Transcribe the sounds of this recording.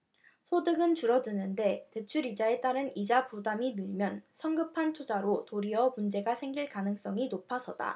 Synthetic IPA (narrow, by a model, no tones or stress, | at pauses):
sʰodɯɡɯnt͡ɕuɾʌdɯnɯnde̞te̞t͡ɕʰuɾid͡ʑae̞t͈aɾɯnid͡ʑapudaminɯɭmjʌnsʰʌŋɡɯpʰantʰod͡ʑaɾotoɾiʌmund͡ʑe̞ɡasʰeŋɡiɭkanɯŋs͈ʌŋinopʰasʰʌd̥a̰